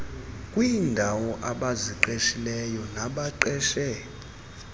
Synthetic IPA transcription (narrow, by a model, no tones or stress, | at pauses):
kʼwindʱawɔʔaɓaziǃeʃilɛjɔnaɓaǃɛʃɛ